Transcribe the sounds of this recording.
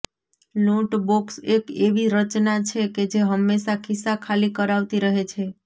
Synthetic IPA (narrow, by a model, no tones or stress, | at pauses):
luʈboksekeʋiɾət͡ʃnat͡ʃʰeked͡ʒeɦəmːeʃakisːakʰalikəɾaʋt̪iɾəɦet͡ʃʰe